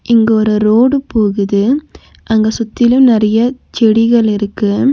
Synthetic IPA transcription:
ʔɪŋɡeːɾɯɾoːɽɯpoːɣɯðɯ | ʔɐŋɡɐsʊt̪ːɪlɯmnɪɾɐjɐt͡ʃɛɽɪɣɐɭɪɾɯkːɯ

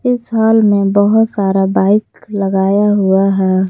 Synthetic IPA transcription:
ɪsɦaːlmẽbəɦʊt̪saːɾabaːɪkləɡaːjaɦuaɦɛː

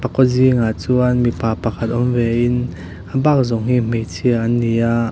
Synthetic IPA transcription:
pɐkɔziŋat͡suʔanmipaːpɐkʰat̪̚ʔɔmvɛʔɪn | ʔabak̚zɔŋɦim̥ejt͡sʰiəʔanːiʔaʔ

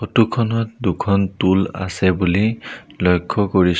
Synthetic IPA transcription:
xotukʰɔnɔt̚dukʰɔntula̰sɛbulilɔjkʰːɔkoɹis

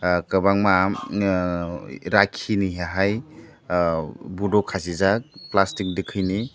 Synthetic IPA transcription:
kabaŋma | ɾakʰiniɦaɦaj | budɔkʰasizak̚plastik̚dikʰɯjni

